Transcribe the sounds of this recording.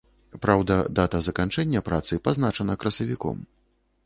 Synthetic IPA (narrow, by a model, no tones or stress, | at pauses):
pɾawd̪ɐd̪at̪ɐzɐkant͡ʂɛnʲːɐpɾat̪sɨpaznat͡ʂɐnɐkɾɐsɐvʲikɔ̰m